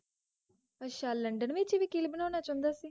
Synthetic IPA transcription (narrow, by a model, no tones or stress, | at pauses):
əʃaːləɳɖənʋɪt͡ʃʋiːkilbənõːnaːt͡ʃãːnd̪aːsiː